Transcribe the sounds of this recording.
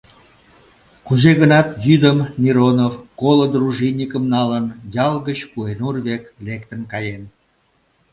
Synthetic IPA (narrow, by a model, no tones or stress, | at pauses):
kuzeɣənɑt̪jyd̪əmmʲiɾonovkolod̪ruʒinʲikəmnɑlənjɑlɣət͡ɕkuenurβeklekt̪ənkɑjen